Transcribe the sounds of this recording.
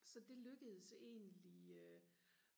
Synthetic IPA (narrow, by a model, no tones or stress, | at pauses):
sɒ̽d̥e̝løɡ̥əð̞̩ˠse̝̰ːnliø